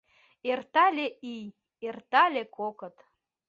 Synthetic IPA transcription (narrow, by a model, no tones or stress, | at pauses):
ert̪ɑlʲeʔij | ert̪ɑlʲekʰokə̆t̪